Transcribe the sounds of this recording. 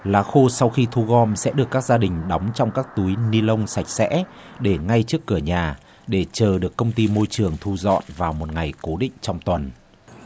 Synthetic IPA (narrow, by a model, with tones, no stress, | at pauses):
laː˨˦xo˧sa˧wxi˧t̪ʰu˧ɣɔ˧msɛ̰˧˥ɗɨ˨˩əkːaː˦˥k̚zaː˧ɗï˨˩ŋ̟ɗɔ˨˦wŋ͡mt͡ɕɔ˧wŋ͡mkaː˦˥k̚t̪u˨˦jni˧lə˧wŋ͡msa˨˩jk̟̚sɛ̰˧˥ | ɗe˧˩ŋa˧jt͡ɕɨ˦˥əkːɨ˧˩əɲaː˨˩ | ɗe˧˩t͡ɕəː˨˩ɗɨ˨˩əkːə˧wŋ͡mt̪i˧mo˧jt͡ɕɨ˨˩əŋt̪ʰu˧zɔ̰˧˨nvaː˨˩wmo˨˩t̚ŋa˨˩jko˨˦ɗḭ̈˧˨ŋ̟t͡ɕɔ˧wŋ͡mt̪wə˨˩n